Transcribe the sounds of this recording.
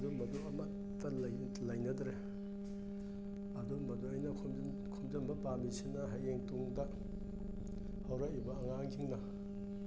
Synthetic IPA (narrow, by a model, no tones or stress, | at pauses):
dumɐduɐmɐ | tːɐl | lɐjnɐdɾe | ɐdumɐduɐjnɐkʰu | kʰumd͡ʒɐmbɐpamisinɐɦajeŋtuŋdɐ | hɐwɾaibɐːŋaŋkʰiŋnɐ